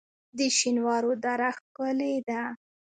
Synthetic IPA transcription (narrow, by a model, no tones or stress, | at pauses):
d̪əʃinwɑɾod̪ɑɾaxkəled̪a